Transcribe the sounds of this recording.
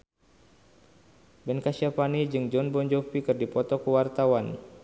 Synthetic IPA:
bɛnkaʃiapanid͡ʒɨŋd͡ʒɔnbɔɲd͡ʒɔfikɨrdipɔt̪ɔkəwart̪awan

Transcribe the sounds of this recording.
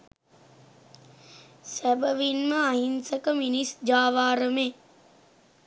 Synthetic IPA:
sæbəʋinməaɦinsəkəminisd͡ʒaːʋaːɾəme

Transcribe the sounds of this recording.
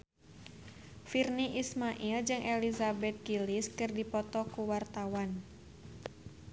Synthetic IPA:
firniʔismaʔild͡ʒɨŋʔɛlizabɛt̪̚ɡiliskɨrdipɔt̪ɔkuwart̪awan

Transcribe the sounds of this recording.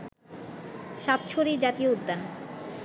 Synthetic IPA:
ʃat̪̚t͡ɕʰoɾid͡ʑat̪ijoud̪ːan

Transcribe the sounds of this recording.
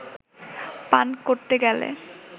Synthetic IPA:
pankoɾt̪eɡɛlḛ

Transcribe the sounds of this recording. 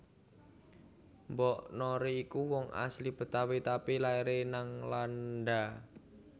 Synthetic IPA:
mbɔʔnɔɾiːkuwɔŋʔa̰slib̥ə̤t̪awit̪apilaiɾenaŋlanɖa

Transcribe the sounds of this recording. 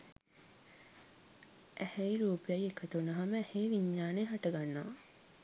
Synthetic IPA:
ʔæhɛiɾuːpijajekʰət̪unəɦaməɛheːʋiɲːaːnejɦaʈəɡanːaː

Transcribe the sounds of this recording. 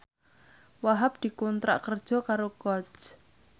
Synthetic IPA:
waɦap̚d̪̥i̤kunt̪ɾa̰ʔkərd̥ʒ̥ɔ̤kaɾoɡ̥ɔt͡ʃ

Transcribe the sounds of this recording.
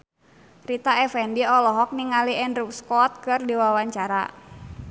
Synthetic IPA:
rit̪aɛfɛndiɔlɔɦɔk̚niŋaliɛndrupskɔt̪̚kɨrdiwawaɲt͡ʃaɾa̰

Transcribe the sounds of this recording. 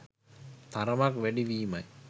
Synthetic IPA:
t̪aɾɐmakʋæɖiʋiːmaj

